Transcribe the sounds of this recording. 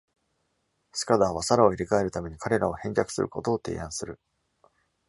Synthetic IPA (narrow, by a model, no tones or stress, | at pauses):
sɨ̥kad̪aβasaɾao̞iɾʲikae̞ɾɯ̟t̪ame̞ɲ̟ikʰaɾe̞ɾao̞hẽ̞ɲʲd͡ʑakɯ̟̥sɨ̰ɾɯ̟ko̞t̪o̞ːt̪e̞̰ːãɰ̃sɨɾɯ̟